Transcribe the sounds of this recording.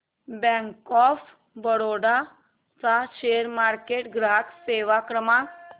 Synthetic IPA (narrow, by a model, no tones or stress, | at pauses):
bɛ̃ŋkɔf | bəɽoɽa | t͡saɕeəɾmaɾkeʈɡɾakseʋakɾəma